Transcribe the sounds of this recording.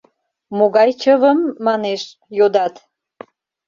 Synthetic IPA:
moɣɑjt͡ɕəβəmːɑneʃ | jod̪ɑt̪

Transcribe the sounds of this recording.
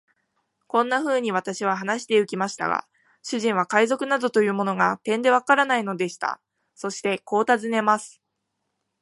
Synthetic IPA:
kõ̞nːaɸɯ̟ːɲ̟iβ̞at̪aɕiβ̞aɦanaɕi̥t̪e̞ɯ̟kʲimaɕi̥t̪a̰ɡa̰ | ɕɨʑĩɰ̃β̞akaizo̞kɯ̟nad̪o̞t̪o̞jɯ̟ːmo̞no̞ɡat̪ẽ̞nd̪e̞β̞akaɾanaino̞d̪e̞ɕi̥t̪a̰ | so̞ɕi̥t̪e̞ko̞ːt̪azɨne̞masɨ̥

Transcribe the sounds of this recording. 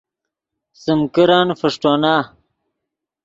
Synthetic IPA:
simkiɾaːnfɐʂʈoːnaː

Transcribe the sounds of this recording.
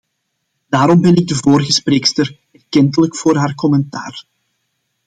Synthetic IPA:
d̥aːɾɔmbɛnɪɡ̚dəvoːɾɣəspreːkstər | ɛrkɛnt̬ələkfoːrɦaːrkɔmɛnta̰ːr

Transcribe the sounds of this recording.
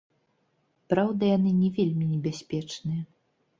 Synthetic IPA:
pɾawd̪ɐjanɨnʲɛvʲelʲmʲinʲɛbʲasʲpʲɛt͡ʂnɨjɐ

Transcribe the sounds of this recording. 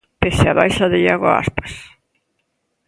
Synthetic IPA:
pesɪaβa̰jʃaðɪʎaɣʊa̰a̰spḁs

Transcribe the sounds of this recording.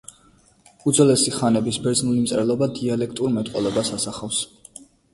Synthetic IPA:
ud̪zɔlɛsiχanɛbisbɛɾd̪znulimt̪sʼɛɾɛlˠɔbad̪ialɛk̚ʰt̪ʼuɾmɛt̪ʼqʼɔlˠɔbasasaχafs

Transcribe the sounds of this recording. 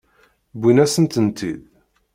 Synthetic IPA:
bʷinæsənt̪ənt̪ið

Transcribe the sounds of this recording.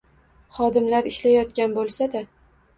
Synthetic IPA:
χɒd̪ɪmlaɾɪʃlajɒt̪kʲanbolˠsad̪a

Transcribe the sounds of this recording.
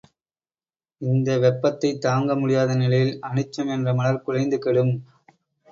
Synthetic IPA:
ɪnd̪ɐʋɛpːɐt̪ːɐɪt̪ːaːŋɡɐmʊɽɪjaːðɐnɪlɐjɪlɐɳɯt͡ʃːɐmɛndrɐmɐlɐɾkʊɻɐɪnd̪ɯkɛɽɯm

